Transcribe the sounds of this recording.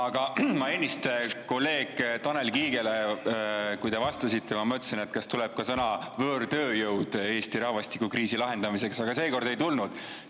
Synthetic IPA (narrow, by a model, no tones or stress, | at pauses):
ɑɡ̥ɑmɑenʲːist̪eko̞lːe̞ːɡ̥t̪ɑne̞lkiːɡ̥e̞le | kujt̪e̞vɑst̪ɑsit̪ʰːe̞mɑmɤt̪ːˑsinet̪kɑst̪ulɛb̥̚kɑsɤnɑvøːɾt̪ø̞ːjɤwd̪̥e̞ːst̪iɾɑhvɑst̪ikːˑukriːsilɑɦe̞nd̪̥ɑmise̞ksɑɡ̥ɑse̞ːko̞rd̪e̞jt̪ulnud̪̥